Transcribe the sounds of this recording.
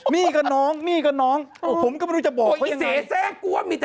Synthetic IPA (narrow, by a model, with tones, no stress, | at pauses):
miː˧˥˩ka˧˩nɔː˦˥ŋmiː˧˩ka˧˩nɔː˦˥ŋpʰo˩˦mka˥˩m˧ɾuː˧˥˩t͡ɕa˨˩bɔː˨˩˧wsae˧˩˦sɛː˥˩ku˧˥ɐəmiː˧˩